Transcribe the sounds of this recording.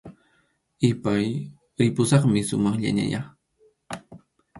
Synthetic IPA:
ɪpaj | ɾɪpʊsɑχmɪsʊ̰mɑχʎa̰ɲa̰jɑχ

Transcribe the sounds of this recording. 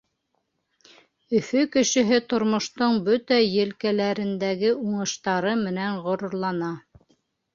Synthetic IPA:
ɵ̆fɵkɘ̆ʃɘ̆ɦɘt̪ŏɾmŏʃt̪oɴbɵt̪æjɘ̆lkælæɾɘ̆nd̪æɡɘuɴɤ̆ʃt̪ɑɾɤmɘ̆næɴʁŏɾŏɾlˠɑnɑ

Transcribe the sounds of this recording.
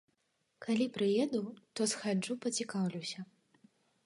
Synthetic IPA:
kʰalʲipɾɨjɛd̪ut̪ɔsxad͡ʐupɐt͡sʲikawlʲiwsʲɐ

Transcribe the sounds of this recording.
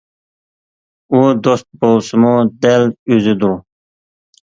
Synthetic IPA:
ud̪ost̪̚bolˠsumud̪ælyzɪd̪uɾ

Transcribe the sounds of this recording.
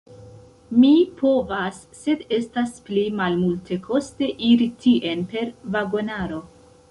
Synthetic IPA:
mipʰo̞vasːe̞de̞stasplimalmulte̞kʰo̞ste̞ʔiɾitʰiʔe̞npe̞ɾvaɡo̞naɾo̞

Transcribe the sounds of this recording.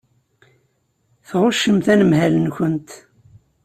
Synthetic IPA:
θʁʊʃːəmθænəmhælənçənt̪

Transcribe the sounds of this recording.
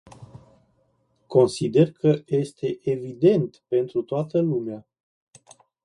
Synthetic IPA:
ko̞nsid̪e̞rkʰəje̞st̪e̞ʔevid̪e̞nt̪pe̞nt̪ɾut̪oat̪əlumea

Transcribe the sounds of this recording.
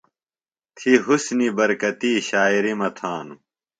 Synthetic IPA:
t̪ʰiɦusnibɐɾkɐt̪iːɕaːiɾimɐt̪ʰaːnu

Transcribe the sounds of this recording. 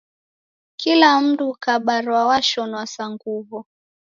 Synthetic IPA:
kilam̩dukaɓaɾwawaʃɔnwasaŋɡuvɔ

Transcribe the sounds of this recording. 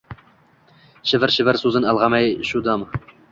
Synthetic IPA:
ʃɘvɘɾʃɘvɘɾsuzɤnɑlˠʁɑmɑjʃud̪ɑm

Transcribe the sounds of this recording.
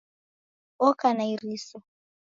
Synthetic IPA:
ɔkanaiɾisɔ

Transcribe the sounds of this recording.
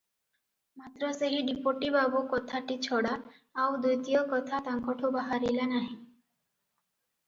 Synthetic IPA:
mat̪ɾɔseɦiɖipoʈibabukɔt̪ʰaʈit͡ɕʰɔɽaː | wd̪ujt̪ijɔkɔt̪ʰat̪aŋkɔʈʰubaɦaɾilanaɦĩ

